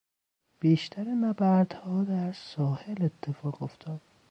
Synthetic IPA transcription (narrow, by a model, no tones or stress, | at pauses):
b̥iːʃt̪ʰæɾimæbæɾd̪̥hɒːd̪æɾsɒːhelet̪ʰːe̞fɒːɣo̞ft̪ʰɒːd̪̥̚